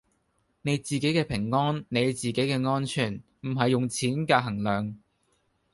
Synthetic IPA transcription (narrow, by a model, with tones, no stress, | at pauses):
ne˨˧jt͡siː˨˩ke˨˥jkɛː˧pʰɪ˨˩ŋːɔː˥nne˨˧jt͡siː˨ke˨˥jkɛː˧ŋɔː˥nt͡ʃʰyː˨˩n | m̩˨˩ɦɐ˨jːʊ˨ŋt͡sʰiː˨˥nkaː˧ɦɐ˨˩ŋlœː˨˩ŋ